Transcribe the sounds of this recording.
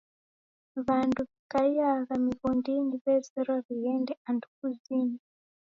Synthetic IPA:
βanduβikaijaɣamiβɔndiniβɛzɛɾwaβijɛndɛandukuzini

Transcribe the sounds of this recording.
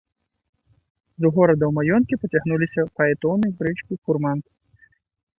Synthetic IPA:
zuɣɔɾɐd̪ɐwmajɔnkʲipɐt͡sʲaɣnulʲisʲɐpɐɛt̪ɔwnɐjbɾɨt͡ʂkʲixurmant̪

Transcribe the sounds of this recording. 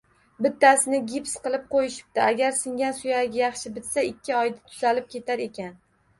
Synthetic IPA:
bɪt̪ːasɪnɪɡʲipsqɨlˠɪp̚qʰojɪʃɪ̥p̚t̪ɪaɡʲaɾsɪŋʲansʊjaɡʲajɑχʃɪbɪt̪saɪkʲʰːɪɒjd̪ɪ̥t̪ʰʊz̥alɪp̚kʲʰe̞t̪ʰaɾe̞kʲʰan

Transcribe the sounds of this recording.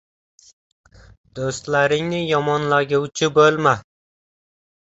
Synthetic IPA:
d̪̥ost̪laɾɪŋnɪjɒmɒnlaɡʲuwt͡ʃʰɪbolma

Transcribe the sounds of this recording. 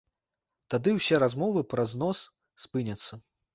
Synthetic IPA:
t̪ad̪ɨwsʲɛɾazmɔvɨpɾɐznɔs | spɨnʲɐt̪sːɐ

